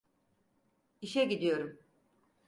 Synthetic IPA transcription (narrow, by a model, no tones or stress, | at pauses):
iʃɛɟid̪ijo̞ɾum